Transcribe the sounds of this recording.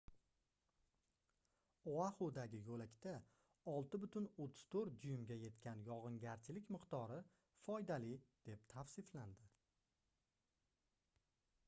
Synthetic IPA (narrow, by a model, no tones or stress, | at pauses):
oahod̪aɡʲɪjɵlakʲt̪a | ɒlˠt̪ɪbʊt̪ʰɪnot̪ʰːɪ̥z̥t̪ʰoɾ̚d̪ʊjʊmɡʲaje̞t̪kʲanjɒʁɨŋɡʲaɾt͡ʃʰɪlɪkʲmɨqt̪ɒɾɪ | fɒjd̪alɪd̪̥e̞pt̪ʰafsɪfland̪ɪ